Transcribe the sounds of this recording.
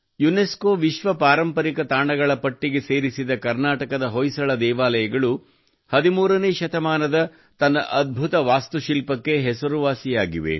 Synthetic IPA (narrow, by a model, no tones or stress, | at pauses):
juneskoːʋiʃʋɐpaːɾɐmpɐɾikɐt̪aːɳɐɡɐɭɐpɐʈːiɡe̞seːɾisid̪ɐkɐɾnaːʈɐkɐd̪ɐɦojsɐɭɐd̪ɛːʋaːlɐjɐɡɐɭu | hɐd̪imuːɾɐneːʃɐt̪ɐmaːnɐd̪ɐ | t̪ɐnːɐ̰ʔɐd̪̚bʱut̪ɐʋaːst̪uʃilpɐkːe̞ɦɛsɐɾuʋaːsijaːɡiʋe̞̰